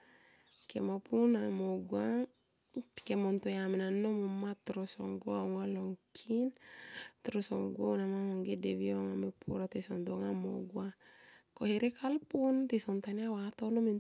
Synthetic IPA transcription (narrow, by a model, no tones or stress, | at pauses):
kḛmopʰunamoɡwa | kemontojamenanomomat̪ɾoso̰ŋɡwaoŋaloŋkʰint̪ɾoso̰ŋɡwanamahoŋɡedeβioŋamepʰuɾat̪esondoŋamo̰ɡwakoheɾekʰalpuntesont̪aniawatonomin